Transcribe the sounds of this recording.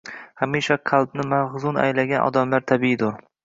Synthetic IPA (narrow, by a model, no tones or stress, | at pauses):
hamiʃaqʰalˠbnɪmaʁzʊna̰jlaɡʲanʔɒ̰d̪amlaɾt̪ʰabiɪd̪ʊɾ